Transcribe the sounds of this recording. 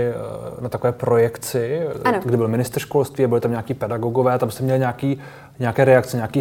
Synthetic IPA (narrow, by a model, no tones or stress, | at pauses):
nat̪akovɛːpɾo̞jɛkt͡sɪnoɡdɪbɪlmɪnɪst̪ɾr̩ʃko̞lst̪viːabɪlɪt̪amɲaːkiːpɛdaɡoɡovɛːt̪amst̪ɛmɲɛlɪɲaakiː | ɲɛakɛːɾɛakt͡sɛɲakiː